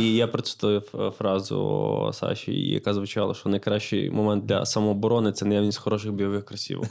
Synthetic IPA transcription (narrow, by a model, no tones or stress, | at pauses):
ijapɾɔt͡s̪ʲu̥t̪ujfɾɑzʊ̰sɑ̰ʃʲḭjɐ̰kazʋʊt͡ʃɑlˠɐ̰ʃt͡ʃɔnɐjkɾɑʃt͡ʃɪjmɔmɛnd̪d̪lʲɐ̰sɐmɔːbɔɾɔnɪt̪sɛnɐjaʋnʲisʲtʲxɔɾɔʃ̬ɪɣbʲijɐʋɪxkɾɐsʲḭʋ